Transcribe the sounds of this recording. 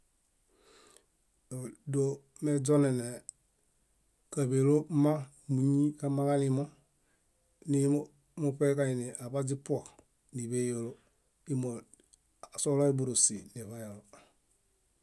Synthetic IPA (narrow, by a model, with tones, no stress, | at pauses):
o˨do˨ | mɛ˦d͡ʒɔ˦nɛ˨nɛ˨ | kə˨be˨lo˦mã˦ | mũ˨ɲĩ˦ka˦ma˦ka˦ni˦mɔ˦ | nĩ˦ | mo˨pɛ˦ka˨i˨nẽ˨ʔa˨pa˦d͡ʒi˦pu˦ɔ˨ | ni˨be˦jo˨lo˦ | i˦mɔ˨ | a˨sɔ˦lɔ˦i˦bu˨ɾo˨si˨ne˨fa˦ja˨lo˨